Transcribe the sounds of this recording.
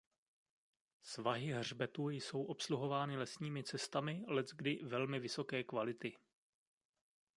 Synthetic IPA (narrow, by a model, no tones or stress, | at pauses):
svaɦɪɦrbɛt̪uːjso̞wʔo̞psluɦo̞vaːnɪlɛsɲiːmɪt͡sɛst̪amɪlɛt͡sɡdɪvɛlmɪvɪso̞kɛːkvalɪt̪ɪ